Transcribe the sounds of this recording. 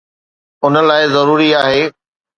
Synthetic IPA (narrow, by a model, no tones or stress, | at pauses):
ʊnə̆laːɪzɐɾuːɾiaːɦeː